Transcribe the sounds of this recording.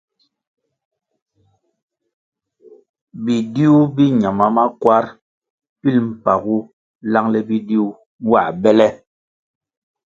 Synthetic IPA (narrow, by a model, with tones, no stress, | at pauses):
bi˨di˦u˦bi˦ɲa˨ma˦ma˦kwa˦ɾ | pi˦lm̩˨pa˨ɣu˦ | la˦ŋlɛ˦bi˦di˦u˦ | wa˨bɛ˦lɛ˦